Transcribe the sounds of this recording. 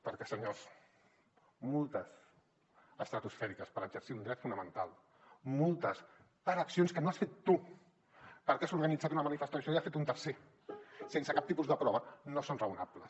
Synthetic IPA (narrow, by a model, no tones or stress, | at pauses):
pəɾkɛsəɲos | molˠt̪əs | əst̪ɾət̪usfɛɾikəspəɾəʒəɾsiund̪ɾɛt̪funəmənt̪alˠ | molˠt̪əs | pəɾəksionskənoasfet̪ːu | pəɾkeazuɾɣənid͡zat̪unəmənifəst̪asoiasfet̪unt̪əɾse | sensəkap̚t̪ipuzd̪əpɾɔβənosonrəunapləs